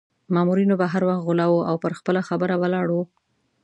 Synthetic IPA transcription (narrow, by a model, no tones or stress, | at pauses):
mɑmuɾinobaɦaɾwaxt̪ɣʊlɑwuʔawpəɾxpəlaxabəɾabəlɑɽu